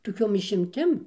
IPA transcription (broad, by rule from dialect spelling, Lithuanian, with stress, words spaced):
toːˈkʲoːm ɪʃʲɪmʲˈtʲɪm